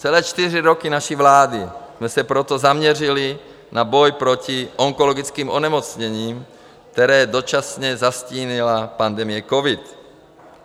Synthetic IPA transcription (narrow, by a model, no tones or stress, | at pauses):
t͡sɛlɛːt͡ʃt̪iriɾokinaʃivlaːdismɛsɛpɾot̪ozamɲɛrili | nabojpɾociʔoŋkoloɡit͡skiːmʔonɛmot͡sɲɛɲiːm | k̚t̪ɛɾɛːdo̞t͡ʃasɲɛzasciːnilapand̪ɛmijɛkovit̪